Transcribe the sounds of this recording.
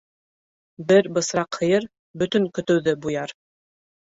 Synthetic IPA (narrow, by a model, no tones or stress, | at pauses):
bɘɾbɤ̆sɾɑqhɤ̆jɤɾ | bɵ̆t̪ɵ̆ŋkɵ̆t̪ɵ̆wðɘbujɑɾ